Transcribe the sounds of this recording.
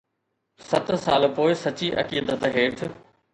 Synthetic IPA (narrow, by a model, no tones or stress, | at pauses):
sɐt̪ʰsaːlpoːɪsɐt͡ɕiːʔɐ̰kiːd̪ət̪ɦeːʈʰ